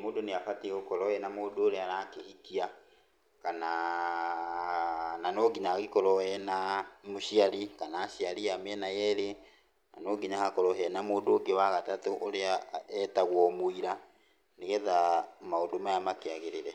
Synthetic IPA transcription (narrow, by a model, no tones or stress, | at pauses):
moːdoneafateɣokɔɾɔɛnamoːdoːɾeaɾakehikia | kana | nanoːɡiɲaɣekɔɾɔɛnamoɕiaɾikanaːɕiaɾiameɛnajɛɾe | na̰noːɡiɲahakɔɾɔɦɛnamoːdoːɡewaɣatatoʔoɾeaɛtaɣwɔmoiɾa | neɣɛðamaodomajamakeaɣeɾeɾɛ